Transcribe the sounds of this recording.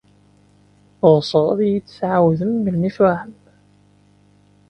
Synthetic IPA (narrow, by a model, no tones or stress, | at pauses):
ʁsˤəʁˤɑ̰ðijət͡sːθʕawðəmːəlniθwaʕəm